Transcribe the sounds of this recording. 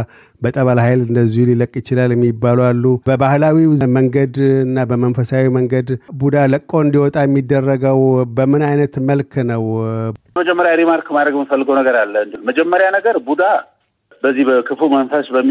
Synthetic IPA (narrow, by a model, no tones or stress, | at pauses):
bət̪ʼəβalhajlɨnd̪əzːihuliləkʼːjɪt͡ʃɪlaljɛmːibːalwalːubəbahlawiməŋɡəd̪ɨnːabəmənfəsawiməŋɡəd̪bud̪aləkʼːoɨnd̪iwɔt̪ʼajɛmːid̪ːərːəɡəwbəmɨnajnət̪məlkʰnəwəməd͡ʒɛmːəɾjaɾimaɾkmad̪ɾəɡmfəlːɨɡəwnəɡəɾalːəɨnd̪ɨlməd͡ʒɛmːəɾjanəɡəɾbud̪a | bəzːihbəkʰɨfumənfəsbəmː